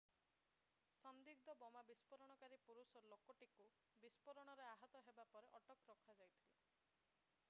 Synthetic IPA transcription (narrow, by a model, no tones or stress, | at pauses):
sɔnd̪iɡ̚d̪ɔbɔmabispɔɾɔɽ̃ɔkaɾipuɾusɔlokɔʈiku | bispɔɾɔɽ̃ɔɾeaɦɔt̪ɔɦebapɔɾeʔɔʈɔkɔɾɔkʰad͡ʒajt̪ʰile